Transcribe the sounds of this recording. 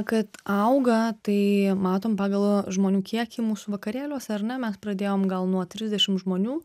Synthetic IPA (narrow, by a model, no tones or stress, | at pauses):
kɐt̪ɐʊɡɐt̪ɐɪmɑːt̪oːmpɑːɡɐlˠʒmoːnʲuːkʲiɛkʲimuːsuʋɐkɐɾʲeːlʲuɔsʲɛɐɾnʲɛmʲɛspɾɐd̪ʲeːjoːmɡɐlˠnuɔt̪ʲɾʲɪzʲd̪ʲɛʃʲɪmʒmoːnʲuː